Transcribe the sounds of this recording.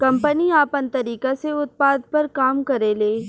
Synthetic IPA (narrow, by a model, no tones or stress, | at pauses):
kɐ̃mpəniaːpɐnt̪ɐɾiːkaseʊt̪̚paːd̪̚pɐɾkaːmkɐɾeːleː